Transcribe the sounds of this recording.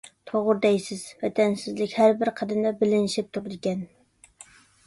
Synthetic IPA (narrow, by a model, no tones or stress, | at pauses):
t̪ʰoʁʊɾd̪ɛjsɪz̥vɛt̪ʰænsɪzlɪkʲhæɾbɪɾqʰɑd̪ɪnd̪ɛbɪlɪnɪʃɪp̚t̪ʰuɾd̪ɪkʲɛn